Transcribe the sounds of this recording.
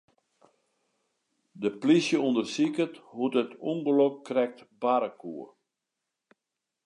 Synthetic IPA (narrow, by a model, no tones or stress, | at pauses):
dəplisjəundərsikəthutətʰuŋɡəlɔkːrɛk̚tbaɾəkuə